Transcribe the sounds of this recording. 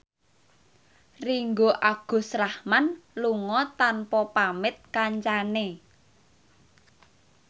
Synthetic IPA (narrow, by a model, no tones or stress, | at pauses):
riŋɡoʔaɡ̥o̤sɾahmanluŋɔt̪anpɔpamɪt̪̚kaɲt͡ʃane